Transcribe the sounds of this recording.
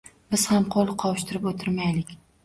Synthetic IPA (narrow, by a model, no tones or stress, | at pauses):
bɪz̥hamqʰolˠɪqʰɒwʃt̪ɪɾɪpot̪ʰɪɾmajlɪkʲ